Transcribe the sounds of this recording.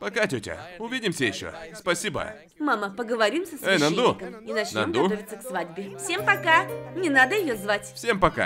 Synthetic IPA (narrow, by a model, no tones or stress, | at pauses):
pɐkatʲotʲə̰ʊvʲidʲɪmsʲəjɪɕːo̰spɐsʲibə̰ | maməpəɡəvɐɾʲimsəsejnɐnd̪ukəminɐt͡ɕnɐomd̪ɡuovʲɪt̪səksvadʲbʲɪfsʲe̞mpɐkanʲɪnad̪əjɪjozvatʲfsʲempɐka̰